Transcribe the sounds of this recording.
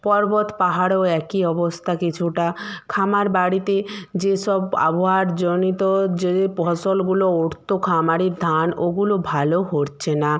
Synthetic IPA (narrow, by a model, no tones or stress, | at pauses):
pɔɾbot̪paɦaɽoɛkiɔbɔst̪ʰakit͡ʃʰuʈakʰamaɾbaɽit̪ed͡ʑesɔba̰boɦaɾd͡ʒɔnit̪ɔd͡ʒepɔsɔlɡulooɽt̪okʰamaɽiɾd̪ʱanoɡulobʱaloɦoɾt͡ɕʰena